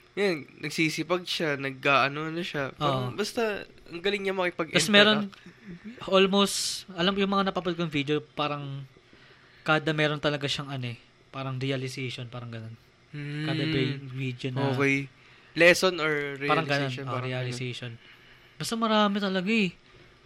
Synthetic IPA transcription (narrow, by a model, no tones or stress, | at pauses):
jannɐɡ̚siːsɪpɐɡ̚ʃanɐɡ̚kaːʔɐnoʔɐnoʃapoʔbɐst̪ɐʔɐŋɡɐlɪŋɲɐmɐkɪpɐɡʔɛsmɛɾon | ʔolmowst̪ʔɐlɐmjʊŋmɐŋanɐpɐpɐd̪̚konɐŋvid̪eopaːɾɐŋ | kaːd̪ɐmɛːɾo̞nt̪ɐlɐɡaʃɐŋɐnoɛ | paːɾɐŋɾɛɐlɪseʃonpaːɾɐŋɡɐnon̩ | kaːd̪ɐbɐjvid̪jonoɐj | lɛsonoɹɾɛpaːɾɐŋɡɐnonoɾɾɛalɪsejʃon | bɐst̪ɐmɐɾaːmɪt̪ɐlɐɡaʔɛ